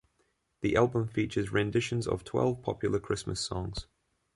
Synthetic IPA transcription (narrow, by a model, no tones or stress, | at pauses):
ðiʔalˠbə̃ɱfiˑt͡ʃəzɹɛ̃ndɪʃə̃nzə̰v̥tʰw̥ɛ̰lˠv̥pʰɒ̰pʰjl̩ˠəkʰɹ̥ɪsmə̰sɒ̰̃ŋz̥